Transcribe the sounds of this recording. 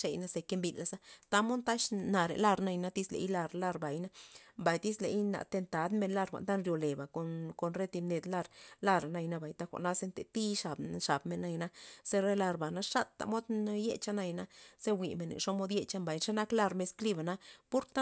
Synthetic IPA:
ʂe˧jna˦se˧ke˦mbi˧˨la˧sa˦t̪a˦mo˦nt̪a˦ʃna˨ɾḛ˨la˦˧ɾna˧jna˦t̪i˦slḛ˧˦jla˧ɾla˦˧ɾba˨jna˦mba˨jt̪i˦sle˨jna̰˨t̪e˧nt̪a˨˦d̪me˧nla˦˧ɾʷa̰˨nt̪a˦nɾjo˧le˨ba˨ko˧ko˧nɾe˦t̪i˧ne˧d̪la˧ɾla˦ɾa˨na˧jna˦˧ba˨jt̪a˦xʷa̰˨ʔna˦se˦nt̪e˨t̪i˦ʂa˨bʂa˨bme˧nːa˦˧jna˦se˦ɾe˦la˧ɾba˨na˦ʂa˦t̪ːa̰˨mo˦d̪jḛ˦t͡ʃa˦na˧jna˦se˦wʷi˨me˨nḛ˨ʂo˦mo˦d̪je˧t͡ʃa˦mba˨jʃe˦na˦kla˦˧ɾme˧skli˦ba˨na˦pu˦ɾt̪a˦

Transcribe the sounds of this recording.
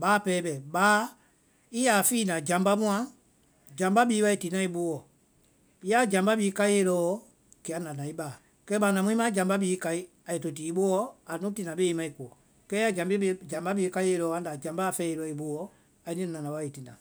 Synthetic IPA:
ɓaː˨˦pɛː˦ɓɛ˨ɓaː˨˦ | i˦ja˨fiː˦nã˨d͡ʒã˨mba˦mũ˦ã˧˦ | d͡ʒã˨mba˦ɓiː˨˦wa˦i˨ti˨˦nã˦i˧ɓo˦ɔ˨ | i˦ja˦d͡ʒã˨mba˦ɓiː˦ka˧˦e˧˦lɔ˦ɔ˦ | ki˨a˦nã˨nã˨i˦ɓaː˨ | kɛ˦ɓã˨nã˨mwĩ˦mã˦d͡ʒã˨mba˦ɓiː˨˦ka˧i˦ | a˨je˨to˨t̬iː˨˦ɓo˦ɔ˦a˨nũ˦ti˨˧nã˨ɓe˦i˦mã˦i˨ku˨ɔ˨ | kɛ˦a˦d͡ʒã˨mbi˦ɓe˧˦d͡ʒã˨mba˦ɓiː˨˦ka˧˦e˧˦lɔː˨˦ã˦n˦da˨d͡ʒã˨mba˦˨fɛː˦e˧lɔ˨˦i˨ɓoː˦ɔ˨ | a˨i˦nĩ˦˨nã˨nã˨wa˨˦i˨ti˨nã˨

